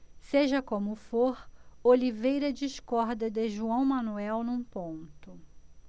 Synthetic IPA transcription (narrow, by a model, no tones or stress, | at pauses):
seʒɐkõmʊfoɾolivejɾɐd͡ʒiʃkɔɾd̪ɐd̪ɪʒuɐ̃w̃mɐ̃nuɛwnũpõnt̪ʊ